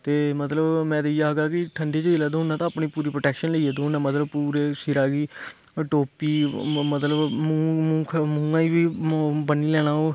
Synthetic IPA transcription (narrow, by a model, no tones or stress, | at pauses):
t̪eːmət̪ləbmɛ̃ːd̪eijaːɦɡaːkɪʈʰəɳɖeːd͡ʒəiːlɛːd̪oːʊnaːt̪ãːpniːpuːɾiːpɾoːʈɛːkʃənleiːeːd̪onaːmət̪ləbpuːɾeːsɪɾaːɡiː | ʈoːpiːmət̪ləb | kʰmʊɡãːiːbiːbənːiːlɛːɽ̃aːoː